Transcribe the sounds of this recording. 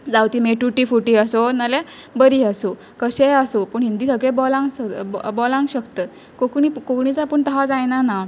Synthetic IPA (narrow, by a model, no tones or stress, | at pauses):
d͡zawt̪iːmeʈuʈiːfuʈiːəsonale | bəɾiːəso | kəɕeəsopəɳɦind̪iːsəɡɭẽbɔlãŋɡəbɔlãŋɡɕəkt̪əː | kokɳikokɳit͡sapəɳt̪əɦad͡zajnana